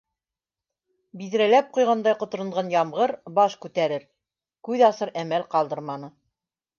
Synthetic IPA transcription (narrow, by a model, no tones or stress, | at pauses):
biðɾælæp̚qujʁɑnd̪ɑjqŏt̪ɤ̆ɾɤ̆ɴʁɑnjɑmʁɤɾbɑʃkʉt̪æɾɘɾ | kʉðɑsɤɾæmælqɑlˠd̪ɤɾmɑnɤ